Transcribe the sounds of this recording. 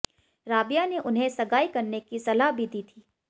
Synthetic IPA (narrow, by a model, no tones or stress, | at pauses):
ɾaːbijaneʔʊnɦẽsɐɡaːikɐɾnekisɐlaɦbʱid̪iːt̪ʰiː